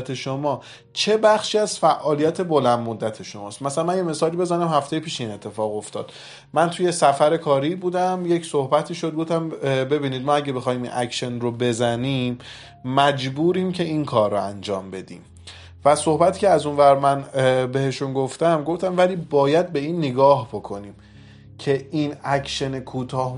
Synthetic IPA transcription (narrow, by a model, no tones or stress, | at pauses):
t̪ʰeʃomɒː | t͡ʃʰe̞bæχʃiːæzfæʔɒːlijæt̪ʰe̞bolænd̪mod̪ːæt̪ʰe̞ʃo̞mɒ̰ːst̪mæsælænmænjeme̞sɒːlibe̞zænæmhæft̪e̞jepʰiːʃeiːne̞t̪ʰːe̞fɒːɣo̞ft̪ɒːd̪̥ | mænt̪ʰuje̞sæfæɾe̞kʰɒːɾibuːd̪æmjecso̞hbæt̪ʰiːʃo̞d̪ɡoft̪æmbe̞biːniːd̪̚mɒːæɟebe̞xɒːhiːmḭnʔækʃenrobe̞zæniːmː | æd͡ʒbuːɾiːmcʰe̞inkʰɒːɾːoænd͡ʒɒːmbe̞d̪ḭːm | væso̞hbæt̪ʰiːcʰeæzunvæɾmænbe̞he̞ʃunɡoft̪æmɡoft̪æmvæliːbɒːjæd̪̚be̞iːnːeɡɒːhbo̞kʰo̞niːm | cʰe̞ʔinækʰʃe̞nekʰuːt̪ʰɒːh